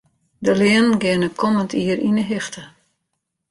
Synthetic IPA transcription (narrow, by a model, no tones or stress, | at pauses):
dəlɪənnɡɪənəkʰɔməntʰiərinəɦɪxtʰə